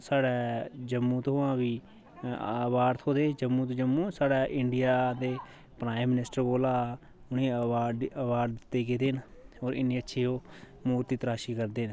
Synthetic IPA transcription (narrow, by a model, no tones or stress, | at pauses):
saːɽɛːd͡ʒəmːũːt̪oːãːʋiː | aːʋaːɾt̪ʰɦoːd̪eːd͡ʒəmːuːt̪ːd͡ʒəmːũːsaːɽaːʔɪɳɖɪjaːd̪eː | pɾaːɪmːɪnɪsʈəɾboːlaː | ʊnĩːaːəʋaːɾd̪ɪt̪ːeːkeːd̪eːnoːɾɪ̰nːĩːətːʃʰiːɦoː | muːɾt̪iːt̪əɾaːʃiːkəɾd̪eːn